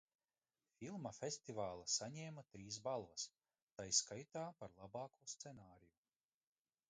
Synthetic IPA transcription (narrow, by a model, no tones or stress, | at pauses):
filˠmɐfʲest̪ivaːlˠɐsaɲɛːmat̪ɾiːs̬balˠvɐs | t̪ajskajt̪aːpaɾlˠabɑːkʰuːst̪senaːɾiju